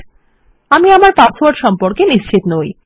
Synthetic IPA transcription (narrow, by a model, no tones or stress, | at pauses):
amiamaɾpat͡swaɖʃɔmpoɾkeniʃt͡ɕʰit̪noj